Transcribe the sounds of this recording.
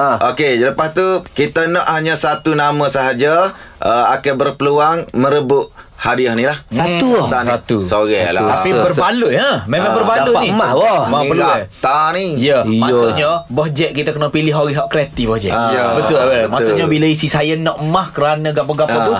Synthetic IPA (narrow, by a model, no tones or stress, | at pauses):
okeləpast̪ukit̪ənɔʔhaɲəsat̪unamə̃səɦad͡ʒə | ʔəakɛbərpəluaŋmə̃ɾəbʊʔ | hadiəhnilahsat̪ut̪anat̪usoɣela̰t̪apibərbalʊʔə̃memãŋbərbaluʔnimawɔmãəluaat̪anijəmasuʔɲəbɔd͡ʒɛʔ̪̚kit̪əkənopilɪɦoɣiɦaʔkɾat̪ibɔhd͡ʒɛ̰ʔəbəʊləmasuʔɲəbiləisisajənɔʔmahkəɾanəɡaʔpəɡaɔt̪u